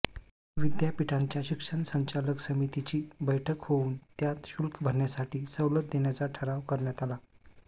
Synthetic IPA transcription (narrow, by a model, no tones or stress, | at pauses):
ʋid̪japiʈʰaɲt͡ɕjaɕikʂəɳsəɲt͡ɕaləksəmit̪it͡ɕiːbəjʈʰəkhouːnt̪jat̪ɕulkbʱəɾɳjasaʈiːsəwlət̪̚d̪eɳjat͡saʈʰəɾaʋkəɾɳjat̪ala